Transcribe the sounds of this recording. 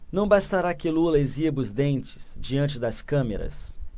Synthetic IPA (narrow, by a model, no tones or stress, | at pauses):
nɐ̃w̃bast̪aɾakelulɐezibʊzd̪ẽnt͡ʃɪ̥sd͡ʒiɐ̃nt͡ʃɪd̪ɐskɐ̃meɾɐ̰s